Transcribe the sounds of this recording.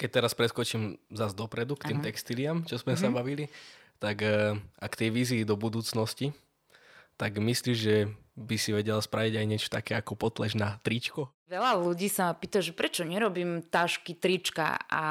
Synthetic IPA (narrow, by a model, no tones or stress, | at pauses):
kɛc̚t̪ɛɾaspɾɛskɔt͡ʃimzazd̪ɔpɾɛd̪ukt̪iːmtt̪ɛkst̪iliamt͡ʃɔzmɛsabaʋilit̪aɡʔakt̪ɛjʋiːziːd̪ɔbud̪uːt͡snɔsci | t̪aɡmisliʒɛbisiʋɛɟɛlaspɾaʋiɟajɲɪɛt͡ʃɔ̥t̪akɛːakɔpɔt̪lɛʒnat̪ɾit͡ʃkɔ | ʋɛlaluɟiːsapiːt̪aʒɛpɾɛt͡ʃɔɲɛɾɔbiːmt̪aʃkit̪ɾit͡ʃka̰a̰